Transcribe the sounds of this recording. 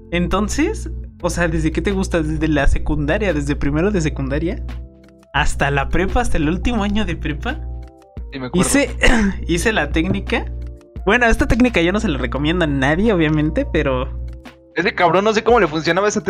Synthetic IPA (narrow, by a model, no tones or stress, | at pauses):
ent̪o̞nse̞soseaðe̞zðe̞ke̞t̪e̞ɣust̪aðezðelase̞kund̪aɾjaðe̞zðepɾime̞ɾoðe̞s̬e̞kund̪aɾja | ast̪alapɾepaːst̪aelult̪imo̞aɲo̞ðe̞pɾepa | simekiseise̞lat̪e̞knikabwe̞no̞e̞st̪at̪e̞knikaʝo̞no̞s̬e̞lare̞ko̞mjend̪oanaðje̞o̞βjamẽnt̪e̞pe̞ɾo | esekaβɾonːos̬ekomo̞le̞funs̬jo̞naβaesat̪